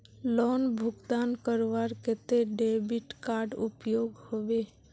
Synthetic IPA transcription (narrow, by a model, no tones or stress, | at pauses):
lɔːnbʱʊɡt̪aːnkəɾʋaɾket̪eɖebiʈkaːɾɖʊpjoːɡhoʋeː